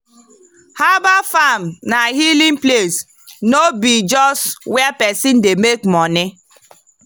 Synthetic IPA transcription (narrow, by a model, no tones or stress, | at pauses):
habafamnaɦilĩŋples | nobid͡ʒɔswɛpɛsindemekmɔnɪ